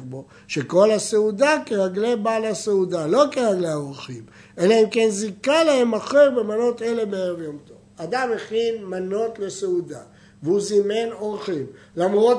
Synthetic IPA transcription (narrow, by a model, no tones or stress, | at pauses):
bo̞ | ʃeko̞lhaseudakeʁaɡle̞balaseudalo̞keʁaɡleaoʁχim | e̞laimke̞nzikalaemaχeʁbemano̞t̪e̞le̞beeʁevjo̞mt̪o̞vad̪ameχilmano̞tle̞seud̪a | veuzime̞noʁχim | lamʁo̞t